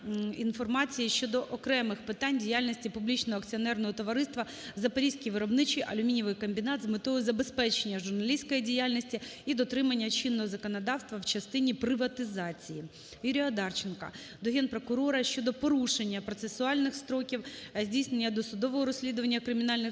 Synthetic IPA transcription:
infɔrmɑt͡sʲijiʃt͡ʃɔd̪ɔʔɔkɾɛmɪxpɪt̪ɑnʲdʲijalʲnʲisʲtʲipublʲit͡ʃnɔɦɔɐkt͡sʲiɔnɛrnɔɦɔt̪ɔʋɐɾɪst̪ʋɐ | zɐpɐɾʲijsʲkʲiʋɪɾɔbnɪt͡ʃiʔɐlʲʊmʲinʲiʋɪjkɔmʲbʲinɑt̪zmɪt̪ɔjʊzɐbe̞spɛt͡ʃenʲːɐʒʊrnɐlʲisʲkɔjidʲijalʲnʲisʲtʲiid̪ɔt̪ɾɪmɐnʲːɐt͡ʃinːɔɦɔzɐkɔnɐd̪ɑwst̪ʋɐwt͡ʃɐst̪ɪnʲipɾɪʋɐt̪ɪzɑt͡sʲiji | juɾʲiɐd̪ɑrt͡ʃenkɐ̰ | d̪ɔɦɛnpɾɔkʊɾɔɾɐʃt͡ʃɔd̪ɔpɔɾuʃe̞nʲːɐpɾɔt̪sesʊɑlʲnɪxst̪ɾɔkʲiwzʲdʲijsne̞nʲːɐd̪ɔsʊd̪ɔʋɔɦɔɾɔsʲlʲid̪ʊʋɐnʲːɐkɾɪmʲin̪ɑlʲnɪx

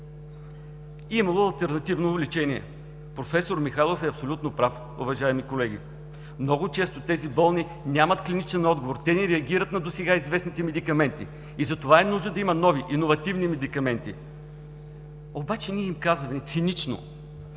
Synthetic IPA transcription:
imɐlˠoɐlˠt̪ɛɾnɐt̪ivnoːvlit͡ʃɛniɛ̰ | pɾofɛsoɾmixalˠofɛɐpsolʲut̪nopɾaf | o̰vɐʒaɛmikolɛɡʲḭ | mnɔɡʊt͡ʃɛst̪ot̪ɛzibɤlˠni | nʲamət̪klinit͡ʃɛnɔd̪ɡovoɾt̪ɛnɛɾɛɐɡ̟iɾət̪nɐd̪osɛɡaizvɛsnit̪ɛmɛd̪ikɐmɛnt̪ḭ | izɐt̪ovaɛnuʒd̪əd̪ɐimɐnɔviʔinovɐt̪ivnimɛd̪ikɐmɛnt̪ḭ | obat͡ʃɛniɛimkazvɐnɛt̪sinit͡ʃno̰

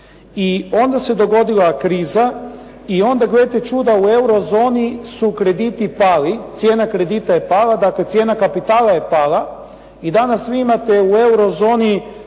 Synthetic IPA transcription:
io̞nd̪ase̞d̪o̞ɡo̞d̪ilakɾiːza | io̞nd̪aɡle̞t̪e̞t͡ʃuːd̪aue̞wɾo̞zo̞ːnisukɾe̞d̪it̪ipaːlit̪sje̞ːnakɾe̞d̪it̪aje̞paːlad̪akle̞t̪sje̞nakapit̪aːlajepaːla | id̪anasʋiimat̪e̞ue̞wɾo̞zo̞ːni

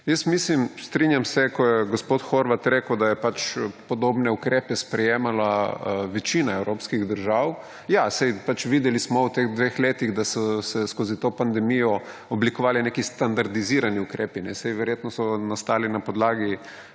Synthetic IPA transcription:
jəsmislimst̪ɾinjamsɛkɔjɛɡospoːt̪xoɾʋat̪ɾeːkəwd̪ajɛpat͡ʃpɔd̪oːbnɛukɾeːpɛspɾɛjeːmalaʋɛt͡ʃinaɛwɾoːpskiɣd̪əɾʒaw | jasɛjpat͡ʃʋid̪ɛlismɔwt̪eɣd̪ʋeːxleːt̪iɣd̪asɔsɛskoːzit̪oːpand̪ɛmijɔ | ɔblikɔʋaːlinekist̪and̪aɾd̪iziːɾaniukɾeːpinɛsɛjʋɛɾjet̪nɔsɔnast̪aːlinapɔd̪laːɡi

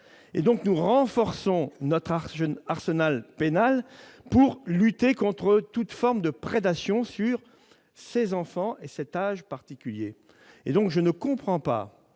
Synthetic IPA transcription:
ḛd̪ɔ̃knuʁɑ̃fɔʁsɔ̃nɔt̪χaəaʁsənalpenalpuʁlyt̪ekɔ̃t̪χət̪ut̪fɔʁmd̪əpχed̪asjɔ̃syʁ | sezɑ̃fɑ̃ʔesɛt̪aʒpaʁt̪ikʲyljḛ | ḛd̪ɔ̃kʒənəkɔ̃pχɑ̃pa̰

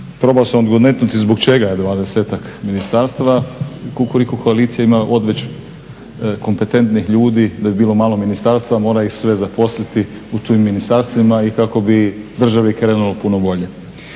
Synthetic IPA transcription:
pɾo̞ːbaosamod̪ɡod̪net̪nut̪izbokt͡ʃeɡajed̪ʋaːd̪eseːt̪ak | minist̪aɾst̪aʋauko̞likokʰoaliːt̪sijaimaʔo̞d̪ʋet͡ɕ | ko̞mpe̞t̪e̞nt̪nixʎuːd̪id̪abibiːlo̞maːlˠo̞minist̪aːɾst̪ʋamo̞ːɾaixsʋe̞zapo̞slit̪i | ut̪oimːinist̪aɾst̪ʋimaikako̞bid̪r̩ʒaʋikɾe̞ːnulopunobo̞ʎe

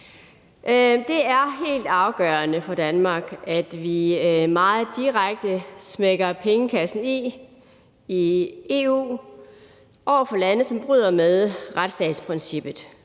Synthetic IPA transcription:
ʔd̥e̝æɐɦe̝̰ːld̥ɑ̈ʊɡ̥œɐnəfɒ̽d̥ænmɑ̈ːɡ̥æd̥ʋimɑ̈ːð̩ˠd̥iʁaɡ̥̚d̥əsmeɡ̥ɐpʰeŋəkʰæsn̩i | ie̝̰ːṵː | ʔɒʊ̰ɐfɒ̽lænð̩ˠsɒ̽mb̥ʁy̰ːð̞̰ˠɐmeðˠʁad̥sd̥ɛ̰ːd̥spʰʁinsib̥ð̩ˠ

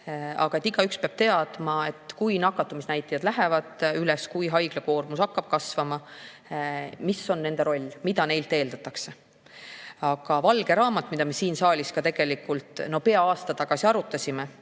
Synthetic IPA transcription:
ɑ̰ɡ̥ɑe̞t̪ːiɡ̥ɑykspeɑb̥̚t̪e̞ɑd̪̥mɑe̞t̪ːˑkujnɑkːˑɑt̪ːˑumisnæjt̪ːˑijɑd̪̥læɦevɑd̪̥ylɛskujɦɑjɡ̥leko̞ːrmusɑkːɑb̥̚kɑsvɑmɑ | misːo̞nːe̞nd̪e̞ɾo̞lʲːmid̪ɑne̞jlt̪ːe̞ːld̪̥ɑt̪ːˑɑkse | ɑɡ̥ɑvɑlɡ̥e̞ɾɑːmɑt̪ːˑmid̪̥ɑmesiːnsɑːlʲiskɑt̪e̞ɡ̥e̞likult̪ˑno̞pe̞ɑɑːst̪ɑt̪ɑɡ̥ɑsiɑɾut̪ːˑɑsʲime

